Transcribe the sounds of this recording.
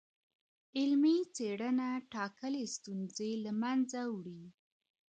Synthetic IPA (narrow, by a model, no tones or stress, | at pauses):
ɪlmit͡seɽənaʈɑkəlest̪unzelamanzawɽi